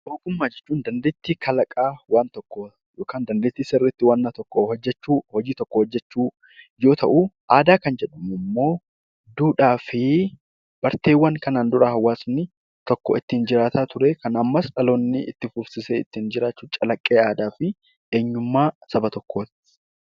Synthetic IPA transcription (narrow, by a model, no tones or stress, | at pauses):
ʔoːkʼʊmːaːd͡ʒɛt͡ʃːuːnd̪ɐnd̪e̞ːt̪ːiːkʰɐlɐkʼaːwaːnt̪ɔkːɔ | joːkaːnd̪ɐnd̪e̞ːt̪ːiːsɛrːɪɪt̪ːɪwɐnːat̪ɔkːɔhɔd͡ʒːɛt͡ʃːuːhɔd͡ʒiːt̪ɔkːɔhɔd͡ʒːɛt͡ʃːuː | jo̞ːt̪ʰɐʔuʔaːd̪aːkɐnd͡ʒɛᶑʊmʊmːo̞ː | d̪uːᶑaːfɪ | b̥ɐɾt̪e̞ːwːɐŋkɐnaːnd̪ʊɾʔɐhɐwːaːsnɪ | t̪ɔkːɔ̰ɪt̪ːiːnd͡ʒɪɾaːt̪aːt̪ʊɾeːkɐnɐmːɐsᶑɐloːnːɪɪ̰t̪ːɪfʊfsɪseːɪt̪ːiːnd͡ʒɪɾaːt͡ʃːuːt͡ʃʼɐlɐkʼːe̞ːaːd̪aːfɪ | ʔe̞ːɲːʊmːaːsɐbɐt̪ɔkʰːoːt̪ɪ̥